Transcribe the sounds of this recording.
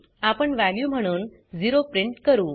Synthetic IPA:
apəɳʋæljuːm̤əɽ̃uːn | d͡ziɾopɾiɳʈkəɾuː

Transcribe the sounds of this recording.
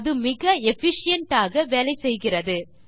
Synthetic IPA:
ðɯmɪɣɐɛfɪʂɪjɐɳʈaːɣɐʋeːlɐɪsɛjɣɪrɐðɯ

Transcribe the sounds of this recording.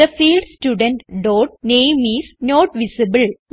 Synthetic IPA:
əfiːlɖsʈjuːɖə̃ɳʈɖoːʈ̚neːmisnoːʈʋisibɨln

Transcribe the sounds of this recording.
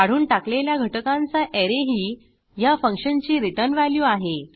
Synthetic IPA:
aɽ̤uːnʈakleljaɡʱəʈəkãnt͡saʔeɾeɦiː | jafəŋkʂənt͡ɕiːɾit̪ənʋaljuːaɦe

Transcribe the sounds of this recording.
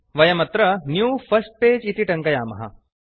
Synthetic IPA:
ʋɐjɐmɐt̪ɾɐnjuːpʰɐsʈ̚peːd͡ʒiʈ̪iʈɐŋkɐjaːmɐ̰ɦɐ̰

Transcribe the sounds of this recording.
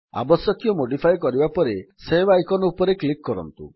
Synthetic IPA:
a̰bɔsjɔkjɔmoɖipʰajkɔɾibapɔɾesebajkɔnɔupɔɾeklikːɔɾɔ̰nt̪ṵ

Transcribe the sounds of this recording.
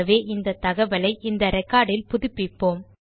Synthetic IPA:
ɐʋeːʔɪnd̪ɐt̪ːɐɣɐʋɐlɐɪʔɪnd̪ɐɾɐɪkːaːɽɪlpʊðʊpːɪpːoːm

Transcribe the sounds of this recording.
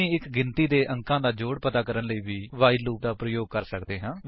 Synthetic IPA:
ĩːɪkɡɪnt̪iːd̪eːʔə̃ŋkãːd̪aːd͡ʒoːɽpət̪aːkəɾənləiːʋiːʋaːɪɖluːp̚d̪aːpɾəjoːɡ̚kəɾsəkd̪eːɦãː

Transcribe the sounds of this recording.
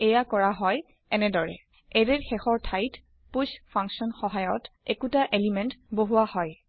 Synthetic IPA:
ɛjakɔɹaɦɔj | ɛnɛdɔɹɛ̰ | ɛɹɛɹxɛxɔɹtʰajt | puspʰaŋksɔnxɔɦajɔtekutaʔelimɛntboɦuahɔj

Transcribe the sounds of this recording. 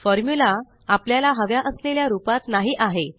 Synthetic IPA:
fɔɾmjula | apljalaɦəʋjaʔəsleljaɾupat̪naɦiːʔaɦe

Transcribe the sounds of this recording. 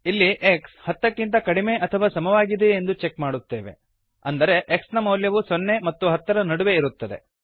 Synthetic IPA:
ilːiʔekshɐt̪ːɐkːint̪̬ɐkɐɽime̞ʔɐt̪ʰɐʋaːsɐmɐʋaːɡid̪eːnd̪ut͡ʃe̞kmaːɽut̪ːe̞ːʋe̞̰ | ɐnd̪ɐɾe̞ʔeksnɐmɐwljɐʋusonːe̞mɐt̪ːuɦɐt̪ːɐɾɐnɐɽuʋe̞iɾut̪ːɐd̪e̞̰

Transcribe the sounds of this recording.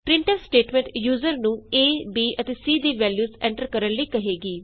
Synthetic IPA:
pɾɪ̃ɳʈəlsʈeːʈmɛ̃ːɳʈjuːzəɾnũːeːbiːʔət̪eːsiːd̪iːʋɛːljuːzɛ̃ːɳʈəɾkəɾənləiːkəɦeːɡiː

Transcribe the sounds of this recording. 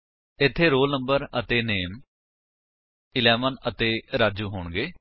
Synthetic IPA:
ɪt̪ʰːeːɾoːlnəmbəɾət̪eːneːm | ɪlɛːmənət̪eːɾaːd͡ʒuːɦoːɳɡeː

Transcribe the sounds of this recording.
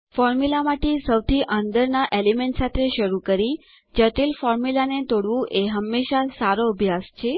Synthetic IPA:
fɔɾmulamaʈesəwt̪ʰiʔənd̪əɾnaʔelemeɳʈsat̪ʰeʃəɾukəɾi | d͡ʒəʈilfɔɾmilanet̪oɽʋũʔeɦəmːeʃasaɾoəbʱjast͡ʃʰe

